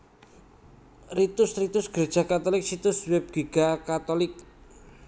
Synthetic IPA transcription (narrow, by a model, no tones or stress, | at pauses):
rit̪ʊsrit̪ʊsɡ̥ɾed̥ʒ̥a̤kat̪ɔlɪk̚sit̪ʊswɛb̚ɡ̥iɡ̥akat̪ɔlɪk̚